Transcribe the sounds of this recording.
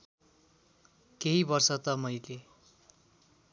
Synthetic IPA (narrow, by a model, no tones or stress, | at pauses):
keɦibʌrsʌt̪ʌmʌjle